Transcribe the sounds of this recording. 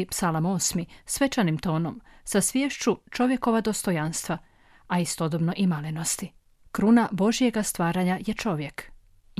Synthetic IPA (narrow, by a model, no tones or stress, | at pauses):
psalamo̞smisʋe̞t͡ʃanimt̪o̞ːno̞msasʋjeʃt͡ʃut͡ʃo̞ʋje̞ko̞ʋad̪o̞st̪o̞janst̪ʋa | aist̪od̪obnoʔimalino̞st̪i | kɾunabo̞ʒije̞ɡast̪ʋaːɾaɲajet͡ʃo̞ʋjek